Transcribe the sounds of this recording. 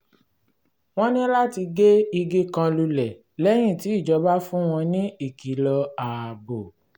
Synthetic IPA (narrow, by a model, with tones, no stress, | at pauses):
w̃ɔ̃˦nĩ˦la˦ti˧ɡe˦i˧ɡe˦kã˧lu˧lɛ˨ | lɛ˦j̃ĩ˦˨ti˨˦i˦˨d͡ʒɔ˨˦ba˦fũ˦w̃ɔ̃˧nĩ˦i˦˨ki˨˦lɔ˧a˨bo˨